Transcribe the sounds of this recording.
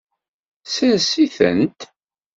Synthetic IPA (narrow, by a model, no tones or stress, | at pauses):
sənsiθə̰nt̪